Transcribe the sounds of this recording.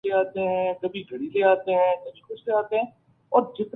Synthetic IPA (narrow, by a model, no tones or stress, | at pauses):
leːaːt̪eɦɛ̃ːɖəbiːɡʱəɽiːleːaːt̪eɦɛ̃ːɖəbiːkʊʃleaːt̪eɦɛ̃ː | ɔːɾd͡ʒɪt̪